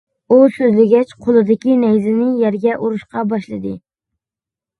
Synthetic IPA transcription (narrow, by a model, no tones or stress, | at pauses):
usøzlɪɡʲɛt͡ʃqʰolˠɨd̪ɪkʲinɛjzɪnɪjɛɾɡʲɛʔuɾuʃqɑbɑʃlˠɨd̪ɨ